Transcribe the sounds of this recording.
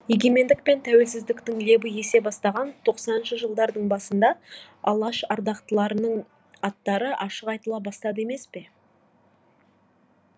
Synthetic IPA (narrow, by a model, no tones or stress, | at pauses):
je̞ɡʲe̞me̞nd̪ɪk̚pe̞nt̪ʰæwe̞lsɪzd̪ɪkt̪ɪŋle̞bɪje̞se̞bɑst̪ɑʁɑnt̪ʰo̞qsɑnənʃəʒəlˠd̪ɑɾd̪əɴbɑsənd̪ɑ | ɑ̰lˠɑʃɑɾd̪ɑqt̪əlˠɑɾənəɴ | ɑt̪ːɑɾəʔɑʃəqɑjt̪əlˠɑbɑst̪ɑd̪əe̞me̞spe̞